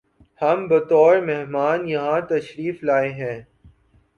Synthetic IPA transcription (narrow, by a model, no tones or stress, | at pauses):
hɐmbɐt̪ɔːɾmɛɦmaːnjɐɦãt̪ɐʃɾiːflaːeɦɛ̃ː